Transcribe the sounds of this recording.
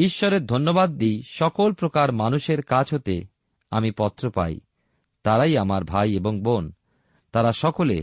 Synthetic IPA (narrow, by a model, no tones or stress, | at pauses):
iʃːoɾeɾd̪ʱonːobad̪̚ːijʃɔkolpɾokaɾmanuʃeɾkat͡ɕʰɦot̪ḛ | a̰mipɔt̪ːɾopa̰j | t̪aɾaijamaɾbʱajeboŋbon | t̪aɾaʃɔkole